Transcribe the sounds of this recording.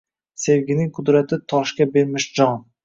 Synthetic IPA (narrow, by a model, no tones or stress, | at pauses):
se̞vɡʲɪnɪŋqʰʊd̪ɾat̪ʰɪt̪ʰɒʃkʲabe̞ɾmɪʃd͡ʒɒŋ